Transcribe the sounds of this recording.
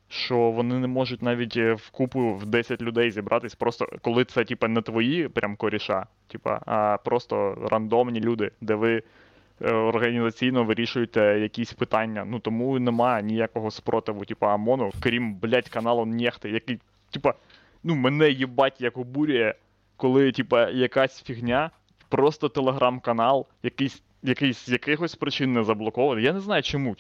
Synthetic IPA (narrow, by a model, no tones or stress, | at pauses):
ʃt͡ʃɔʋɔnɪnɛmɔʒʊtʲnɑʋʲitʲʋkupʊwd̪ɛsʲɐtʲlʲʊd̪ɛjzʲibɾʔɑt̪ɪsʲpɾɔst̪ɔ̰kɔlˠɪt̪sɛtʲipɐnɛt̪ʋɔjipɾʲʔamkɔɾʲiʃɑ | tʲipɐ̰ɐ̰pɾʔɔst̪ɔrɐnd̪ɔmnʲilʲud̪ɪd̪ɛʋɪ | ɔrɦɐnʲizɐt͡sʲijnɔʋɪɾʲiʃʊjʊt̪ɛjɐkʲisʲpɪt̪ɑnʲːɐnut̪ɔmunɛmɑjɛnʲijakɔɦɔspɾɔt̪ɪʋʊtʲipɐɐmɔnʊkɾʲimblʲatʲkɐnɑlˠɔnnʲɛxt̪ɪjɐkɪj | tʲipɐ | numɛnɛjibɑtʲjɐkʊbuɾʲijɛ | kɔlˠɪtʲipɐjɐkasʲfʲiɦnʲa | pɾɔst̪ɔt̪elˠeɦɾʔamkɐnɑlˠjɐkɪjsʲ | jɐkɪjsʲjɐkɪɦɔsʲpɾɪt͡ʃɪnːɛzɐblˠɔkɔʋɐnɪjanɛznɑjʊt͡ʃɔmu